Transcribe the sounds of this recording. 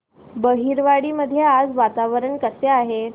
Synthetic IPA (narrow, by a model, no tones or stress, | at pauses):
bəɦiːɾʋaɽiːməd̪ʱːjead͡zʋat̪aʋəɾəɳkəseaɦe